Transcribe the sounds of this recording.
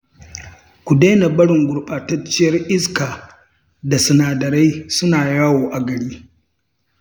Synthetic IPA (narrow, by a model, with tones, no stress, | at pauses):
kʷu˨deː˦na˨bɐ˦ɽɪ˨ŋɡʷʊ˨ɽɓaː˨tɐ˦t͡ʃːɪ˦jɐ˦rʔɪ˦skaː˨ | da˨sʊ˨naː˨dɐ˨ɾa˦jsʊ˦naː˨jaː˦woː˨ʔa˨ɡɐ˨ɽiː˦